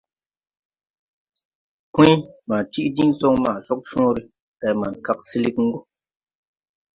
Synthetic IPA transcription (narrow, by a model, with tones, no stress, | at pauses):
kĩ˦maː˨ti˦ʔdi˦n˦zo˦ŋma˨zɔ˦k̚ʃɔ̃ː˦ɾi˦ | ka˨ma˨n˨ka˦˨k̚si˦li˦kŋ̩˦ɡu˦